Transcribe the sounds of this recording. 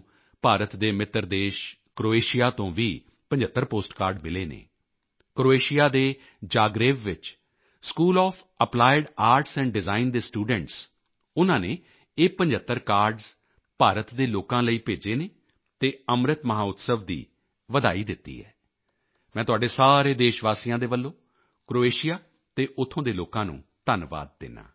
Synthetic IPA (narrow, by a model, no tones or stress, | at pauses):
paːɾət̪d̪eːmɪt̪ːəɾd̪eːʃ | kɾoːeːʃɪjaːt̪õːʋiː | pəɲd͡ʒət̪ːəɾpoːsʈkaːɾɖmɪleːnḛː | kɾoːeːʃɪjaːd̪eː | d͡ʒaːɡɾeːʋʋɪt͡ʃ | skuːlɔːpʰ | əplaːɪɖaːɾʈsɛ̃ːɳɖɖɪzaːind̪eːsʈuːɖəɳʈs | ʊnãːneː | eːpə̃ɲd͡ʒət̪ːəɾkaːɾɖz | paːɾət̪d̪eːloːkãːləiːpeːd͡ʒeːneː | t̪eːəmɾət̪məɦaːʊt̪səʋd̪ḭː | ʋəd̪aːiːd̪ɪt̪ːḭːɦɛ̰ː | mɛ̃ːt̪ʊaːɖeːsaːɾeːd̪eːʃʋaːsiːjãːd̪eːʋəlːõː | kɾoːeːʃɪjaː | t̪eːʔʊt̪ʰːõːd̪eːloːkãːnṵ̃ːt̪ənʋa̰ːd̪̚ːɪ̰nã̰ː